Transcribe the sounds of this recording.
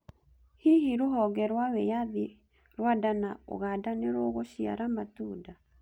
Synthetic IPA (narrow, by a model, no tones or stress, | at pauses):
hiɦiɾoɦɔɣɛɾwawɛjaði | ɾwadanao̰ɣadaneɾoɣoʃia̰ɾamatuda